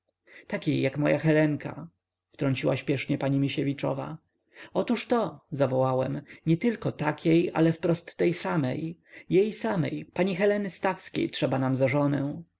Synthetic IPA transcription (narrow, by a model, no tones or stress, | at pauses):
t̪akʲejːakmɔjaxɛlɛŋkʰa̰ | ft̪ɾɔɲt͡ɕiwaɕpʲjɛʂɲɛpaɲimʲiɕɛvʲit͡ʂɔ̰va̰ | ɔt̪uʂt̪ɔzavɔwawɛmɲɛt̪ɘlkɔt̪akʲʰeja̰lɛfpɾɔst̪ːɛjsamɛ̰jjejsamɛ̰jpaɲixɛlɛnɘst̪afskʲḛjtʂɛbanamzaʐɔnɛw̃